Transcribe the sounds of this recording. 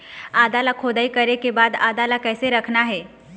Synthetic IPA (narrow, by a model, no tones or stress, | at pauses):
aːd̪alakʰoːd̪aikəɾekebaːd̪aːd̪alakɛːseɾəkʰnaɦɛː